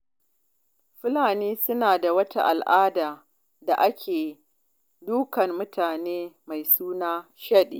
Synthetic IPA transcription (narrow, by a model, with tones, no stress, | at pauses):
ɸɪ˦laː˨niː˦sʊ˦naː˨da˨wɐ˦tʰa̰˦ʔa̰˨lʔaː˦daː˨ | da˨ʔa˦kʲʰeː˨ | duː˦kɐ˨mːʊ˦tʰaː˨neː˦ma˨jsuː˦naː˦ʃɐ˦ɗḭː˨